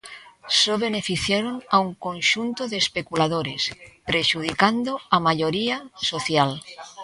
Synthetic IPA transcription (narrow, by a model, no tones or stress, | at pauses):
soβenefiθjeɾonauŋkõnʃunt̪oðeːspekulað̞oɾespɾeʃuð̞ikand̪oamaʎoɾiasoθjal